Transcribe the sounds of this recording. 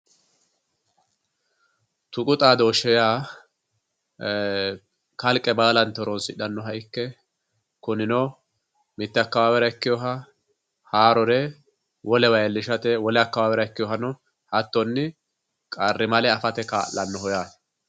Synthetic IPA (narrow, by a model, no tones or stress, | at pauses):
t̪ʊkʼʊt̪ʼaːd̪oːʃɛjaː | kɐlkʼːɛbaːlɐnt̪ːɔɾɔnsɪᶑɐnːɔɦɐjɪkːɛ | kʊnɪnɔ | mɪt̪ːɛɐkːɐwaːwɛɾɐɪkːɪjɔɦɐ | haːɾɔɾɛ | wʔɔlɛwɐjɛlːɪʃɐt̪ɛwɔlɛɐkːɐwaːwɛɾɐɪkːɪjɔɦɐnɔ | hɐt̪ːɔnːɪ | kʼɐrːɪmɐlɛɐfɐt̪ɛka̰ːlːɐnːɔhɔjaːs